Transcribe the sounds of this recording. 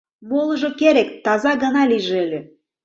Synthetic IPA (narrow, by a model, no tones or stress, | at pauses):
molˠɤ̆ʒokeɾekt̪ɑzɑɣə̆nɑliʒeelʲø